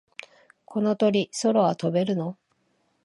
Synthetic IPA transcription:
kʰo̞no̞t̪o̞ɾʲiso̞ɾo̞βat̪o̞be̞ɾɯ̟no̞

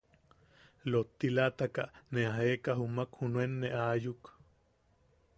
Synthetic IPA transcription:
lot̪ːilat̪akaʔneaɦeːkaɦumakhunwenːeʔaːjuk

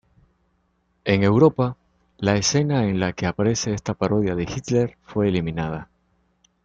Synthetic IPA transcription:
e̞ŋe̞wɾo̞pa | laese̞naenlake̞apaɾe̞se̞est̪apaɾo̞ðjaðe̞xit̪le̞ɾfwe̞ːlimĩnað̞a

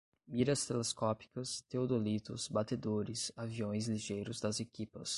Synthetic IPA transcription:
miɾɐst̪eleskɔpi̥kɐst̪eod̪olit̪ʊ̰sbat̪ed̪oɾɪsaviõj̃zliʒejɾʊzd̪ɐzekipɐ̰s

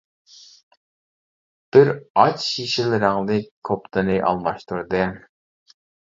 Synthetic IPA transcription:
b̥ɪɾɑt͡ʃʃiʃɪlɪɾɪŋnɨkʰopt̪ɨnɨʔɑ̰lˠmɑʃt̪uɾd̪ɨ

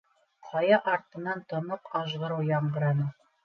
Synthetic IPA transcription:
qʰɑjɑʔɑɾt̪ɤ̆nɑnt̪ŏnoqɑʒʁɤ̆ɾɤwjɑɴɢɤ̆ɾɑnɤ

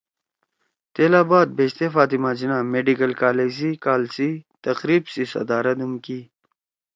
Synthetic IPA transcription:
t̪eːlaːbaːt̪̚beːst̪efaːt̪imaːd͡ʑinaːmeɖikɐlkaːleːzikaːlsit̪ɐqɾiːbsisɐ̰d̪aːɾɐt̪umkiː

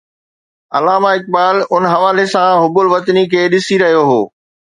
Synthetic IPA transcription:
ɐ̰laːmaɪk̚baːlʊnɦɐʋaːlesãɦʊbʊlʋɐt̪nikʰeːɗɪsiɾɐɦijoɦo̰ː

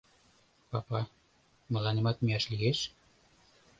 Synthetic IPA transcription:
pɑpɑ | mə̆lɑnemɑt̪̚miɑʃlieʃ

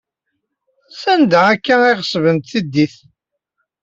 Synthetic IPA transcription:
sænd̪æækːæɪʁəsəvənt̪θid̪ːiθ

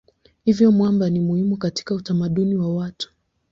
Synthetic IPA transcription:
hivjɔmwambanimuhimukati̥kautamaɗuniwawatu̥

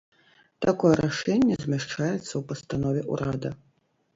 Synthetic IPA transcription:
t̪akɔjɛɾaʂɛnʲːɛzʲmʲɛʂt͡ʂajɛt̪sːɐwpɐst̪anɔvʲɛʔṵɾad̪ɐ

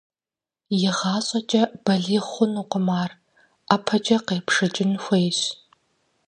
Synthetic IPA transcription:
jɪʁɑːɕʼɐt͡ʃʼɐb̥ɐɮiːχʷʊnuːqʷʊmaːr | aːpʰɐt͡ʃʼɐqeːpʰʂɨt͡ʃʼɪnxʷejɕ

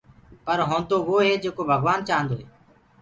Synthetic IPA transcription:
pəɾɦõːnd̪oːʋoːɦeːd͡ʒeːkoːbʱəɡʋaːnt͡ʃaːnd̪oːɦeː

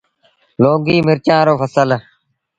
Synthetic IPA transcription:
loːɡiːmɪɾt͡ʃãːɾoːfəsəl

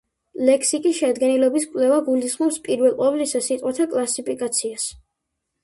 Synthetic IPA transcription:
lɛkʰsikʼisʃɛd̪ɡɛnilɔbiskʼwlɛvaɡulisχmɔpspʼiɾvɛlˠqʼɔblisasit̪ʼqwat̪ʰakʼlˠasipʰikʼat̪sʰias

